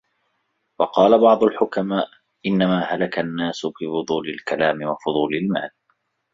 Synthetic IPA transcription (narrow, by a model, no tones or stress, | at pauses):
wɑqɑːlabɑʕd̪ˤʊlħʊkamaːʔ | ʔɪnːamaːɦalakanːaːsʊbɪfʊd̪ˤuːlɪlkalaːmɪwɑfʊðˤuːlɪlma̰ːl